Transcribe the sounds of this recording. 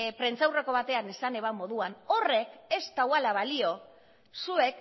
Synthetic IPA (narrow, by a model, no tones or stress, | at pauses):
pɾe̞nt͡sawre̞ko̞βat̪e̞anesane̞βamo̞ðuano̞re̞ke̞st̪awalaβalio̞ | sue̞k